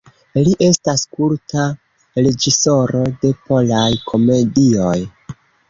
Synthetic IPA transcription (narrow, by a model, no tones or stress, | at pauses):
liʔe̞staskuɾta | ɾe̞d͡ʒiso̞ɾo̞de̞po̞lajkʰo̞me̞dio̞j